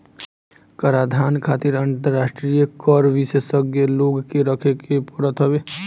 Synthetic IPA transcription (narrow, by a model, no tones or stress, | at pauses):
kəɾaːd̪ʱaːnkʰaːt̪ɪɾə̃nt̪əɾːaːʃʈɾijəkɔɾʋissəɡjəloːɡkeɾəkʰekepəɾət̪ɦɐʋeː